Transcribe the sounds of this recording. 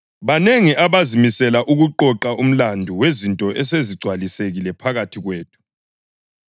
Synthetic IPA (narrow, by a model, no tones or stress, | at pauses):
βaneŋiʔaβazimisɛlaʔuɣuǃɔǃaʔum̩landʱuwezintʼɔʔɛseziɡ͡ǀʱwaliseɣilɛpʰaɣatʰiɣweːtʰu̥